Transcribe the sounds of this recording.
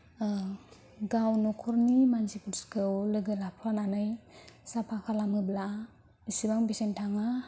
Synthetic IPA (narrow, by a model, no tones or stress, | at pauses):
ɡawnɔkʰɔɾnimansipʰuɾskʰɯwlɯɡɯlapʰɾananɯjsapʰakʰalamɯbla | isibaŋbisentʰaŋa